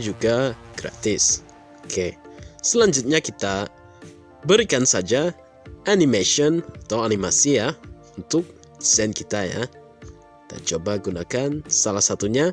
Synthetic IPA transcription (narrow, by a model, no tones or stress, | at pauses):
d͡ʒuɡaɡ̥ɾa̰t̪ɪs | okʰesəlaɲd͡ʒʊt̪̚ɲakit̪a | bəɾikansad͡ʒa | ʔanimeʃɔnat̪awanimasija | unt̪ʊk̚ | sɛnkit̪aja̰ | it̪a̰t͡ʃobaɡunakansalasat̪uɲa